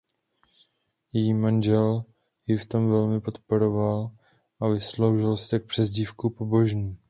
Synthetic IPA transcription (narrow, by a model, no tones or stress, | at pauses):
jɛjiːmanʒɛl | jɪft̪o̞mvɛlmɪpo̞t̪po̞ɾo̞val | ʔavɪslo̞wʒɪlst̪ɛk̚pr̝̥ɛzɟifkupo̞bo̞ʒɲiː